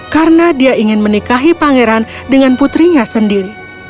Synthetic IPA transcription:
kaɾənadiaiŋɪnmənikaɦipaŋeɾandəŋanput̪ɾiɲasəndiɾi

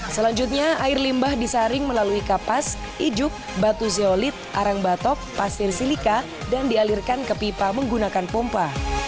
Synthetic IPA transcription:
səlaɲd͡ʒʊt̪̚ɲaaɪrlimbahdisaɾɪŋməlaluikapas | id͡ʒʊk̚bat̪us̬eolɪt̪̚ʔaɾaŋbat̪ɔk̚pasɪrsilika | dandialirkankəpipaməŋɡunakanpɔmpa

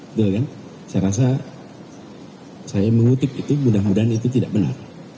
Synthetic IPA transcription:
t̪ukan | sajaɾas̬a | sajaməŋut̪ɪp̚it̪umundahmudanit̪̬ut̪̬idaʔbəna̰r

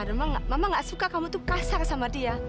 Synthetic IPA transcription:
adamaŋamamaŋɡaʔsukakamut̪ukasarsamadia

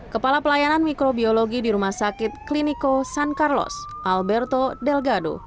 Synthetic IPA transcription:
kəpalapəlajananmikɾobioloɡidiɾumahsakɪt̪̚klinikosankarlɔ̰sʔalbɛrt̪odɛlɡado̰

